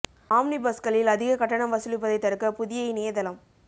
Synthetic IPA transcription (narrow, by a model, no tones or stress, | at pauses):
aːmnɪbɐskɐɭɪlɐðɪɣɐkɐʈːɐɳɐmʋɐsɪlɪp̬ːɐðɐɪt̪ɐɾɯkːɐpʊðɪjɐɪneːjðɐlɐm